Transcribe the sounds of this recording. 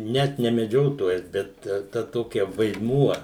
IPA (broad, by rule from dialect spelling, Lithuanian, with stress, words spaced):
ˈnʲɛt nʲɛ mʲɛˈd͡ʒʲoːtoːjɛs bʲɛt ˈtɐ ˈtoːkʲɛ ʋɐɪdˈmuɔ